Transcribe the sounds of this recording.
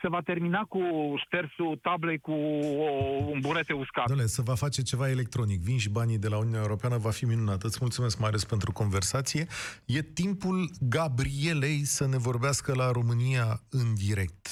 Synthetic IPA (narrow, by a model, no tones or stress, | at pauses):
se̞vat̪e̞rminakuʃt̪ersut̪ablekuombuɾet̪euskad̪olesəvafat͡ʃe̞t͡ʃe̞vaele̞k̚t̪ɾo̞nikvinʃ̬ibanid̪e̞launiunʲaeuɾo̞peanəvafiminunat̪ɨt̪smult̪sume̞skmajale̞spe̞nt̪ɾuko̞nve̞rsat̪sije̞je̞t̪impulɡabɾie̞le̞jsəne̞vo̞rbeaskəlaɾo̞mɨnijaɨnd̪iɾe̞k̚t̪